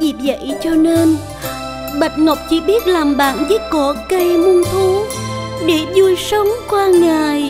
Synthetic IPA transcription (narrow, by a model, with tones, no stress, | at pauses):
zi˨˩zə̰˧˨jt͡ɕɔ˧ne˧n | ɓə˨˩jt̚ŋə˨˩wk͡p̚t͡ɕi˧˦ɓi˦˥ət̚laː˨˩mɓa̰ː˧˨nzɨ˨˦kɔ˧˩˦kə˧jmu˧nt̪ʰu˨˦ɗe˧˩˦zu˧˩əjsə˨˦wŋ͡mkwaː˧ŋaː˨˩j